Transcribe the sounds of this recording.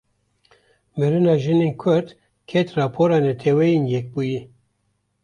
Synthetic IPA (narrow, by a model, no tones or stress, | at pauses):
mɨɾɨnɑːʒɨnenkʰʊɾd̪ | kʰɛt̪rɑːpʰoɾɑːnɛt̪ʰɛwɛjinjɛk̚buːji